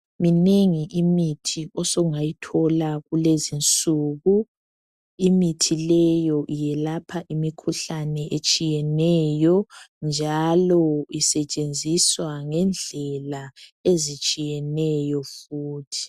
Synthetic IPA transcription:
mineŋiʔimitʰiɔsɔɣuŋajitʰɔlaɣulezint͡sʼuːɣu | imitʰilɛjɔʔijɛlapʰaʔimikʰuɬanɛʔet͡ʃʼijɛnɛjɔnd͡ʒʱalɔisɛt͡ʃʼend͡zʱiswaŋɛnd͡ɮʱɛlaezit͡ʃʼijɛnɛjɔfuːtʰi̥

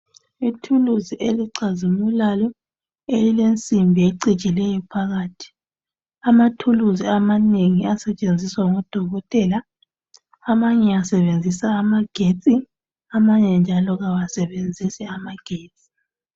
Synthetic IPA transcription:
itʰuluziʔeliǀazimulalɔ | elilent͡sʼimbʱieǀi̥t͡ʃʼilɛjɔpʰaɣaːtʰi̥ | amatʰuluziamaneŋiasɛt͡ʃʼend͡zʱiswaŋɔd̥ʱɔɣɔtʼɛla | amaɲɛasɛβend͡zʱisaːmaɡ̥ʱet͡sʼi | amaɲɛnd͡ʒʱalɔɣawasɛβend͡zʱisɛamaɡ̥ʱeːt͡sʼi̥

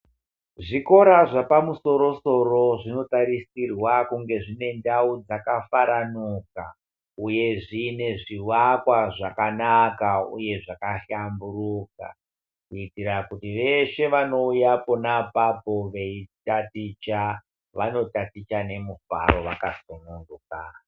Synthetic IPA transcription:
ʐiko̞ɾaʐapamuso̞ɾo̞so̞ro̞ʐino̞taɾisirwakuŋɡe̞ʐine̞ndaud͡zakafaɾanuka | uje̞ʐine̞ʐiwakwaʐakanakaṵje̞ʐakaɬamburuka̰ | kuitirakutiʋe̞ʃe̞ʋano̞ujapo̞napapo̞ʋe̞itatit͡ʃa | ʋano̞tatit͡ʃane̞mufa̰ɾo̞ʋakasomuɡukaː

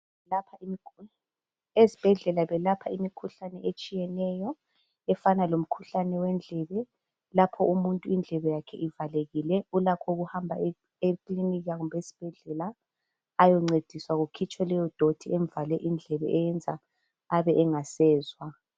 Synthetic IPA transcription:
lapʰai | esi̥b̥ʱɛɮɛlaβɛlapʰaimikʰuɬanɛʔet͡ʃʼijɛnɛjɔ | ɛfanalom̩kʰuɬanɛwɛnd͡ɮʱɛβɛ | lapʰɔumuntʼuind͡ɮʱɛβɛjakʰɛ̰ʔivaleɣilɛulakʰɔɣuhambʱa̰ | ekʼliniɣaɣumbʱesi̥b̥ʱɛɮɛlaː | jɔŋ͡ǀed̥ʱiswaɣukʰit͡ʃʼɔlɛjɔd̥ʱotʰiɛɱvalɛʔind͡ɮʱɛβɛ̰ʔɛɛnd͡zʱa | aβɛʔɛŋasɛːzwa

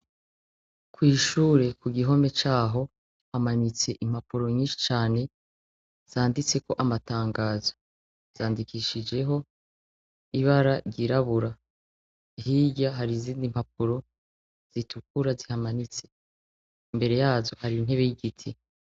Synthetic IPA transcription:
kwiːʃuːɾe̞kuɡiɦo̞me̞t͡ʃaːɦo̞ | hamanit͡se̞ʔim̥hapuɾo̞ɲiːnʃi̥t͡ʃaːne̞ | z̥aːndit͡seko̞ʔamataːŋɡaːzo | z̥aːndikiʃid͡ʒe̞ɦo̞ | iβaɾaɾɟiɾaβuɾa | hiɟaɦaɾiziːndim̥ap̚uɾo̞ | z̥ituk̚uɾazihamanit͡se̞̥ | imbe̞ɾe̞jaːzohaɾin̥he̞βe̞jiɡitʰi

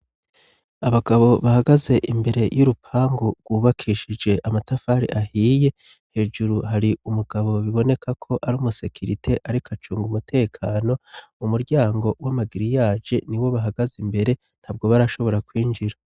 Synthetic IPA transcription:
aβaɡ̥aβo̞βahaɡaze̞ʔimbe̞ɾe̞juɾupʰaːŋɡuɾɡwuːβakʰiʃid͡ʒɡe̞ʔamatafaːɾḭʔahiːje̞ | he̞ːʒuɾuɦaɾiumuɡ̥aβo̞βiβo̞ne̞kʰakʰo̞ʔaɾuːmuse̞kʰuɾitʰe̞ʔaɾikʰat͡ʃuːŋɡumutʰe̞ːkʰaːno̞umuɾɟaːŋɡo̞wamaɡiɾijaːd͡ʒe̞niwo̞βaɦaɡazimbe̞ɾe̞ | n̥haːb̚ɡo̞βaɾaʃo̞βo̞ɾakwiːnd͡ʒiɾa

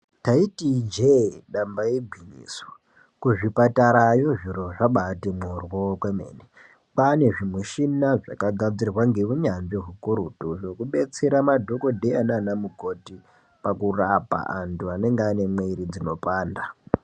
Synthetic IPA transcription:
taitid͡ʒeɗambajebʱiɲḭːso | kuʐipataɾajo̞ʐiɾoʐaɓatimurwokwemḛːne | pane̞ʐimuʃinaʐa̰kaɡʱad͡zirwaŋɡeuɲanʐiɦukuɾutuʐo̞kuɓe̞t͡se̞ɾamadʱo̞ko̞dʱeananamuko̞ti | pakurapa̰a̰ntuane̞ŋɡeane̞mweɾid͡zino̞paːnda

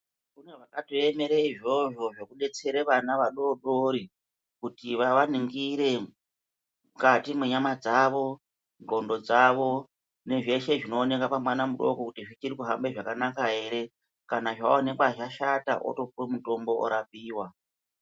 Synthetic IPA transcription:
kune̞ʐakatoeme̞ɾeiʐo̞ʐo̞ʐokuɗe̞t͡se̞ɾeʋanaʋaɗo̞roɗoɾi | kutiʋaʋaniŋɡiɾe̞ | mukatimweɲamad͡zaʋo̞ | ŋɡo̞ndo̞d͡zaʋo̞ | ne̞ʐe̞ʃe̞ʐino̞ːne̞kapamwanamuɗo̞̰kokutiʐit͡ʃiɾikuɦambeʐakanakae̞ɾe̞ | kanaʐa̰one̞kwaʐaʃata̰ʔo̰to̞kuromuto̞mbo̞o̰ɾap̚iːwa

